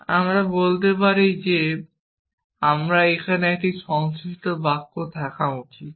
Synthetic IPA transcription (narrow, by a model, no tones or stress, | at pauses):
amɾabolt̪epaɾejd͡ʑe | amɾaekʰaneɛk̚ʈiʃɔŋsiʃʈobakːot̪ʰɛkʰaut͡ɕʰit̪